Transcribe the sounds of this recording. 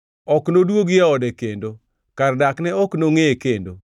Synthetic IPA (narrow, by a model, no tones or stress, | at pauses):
ɔknodwoɡjɛɔdɛkendo | kardaknɛɔknoŋeekendo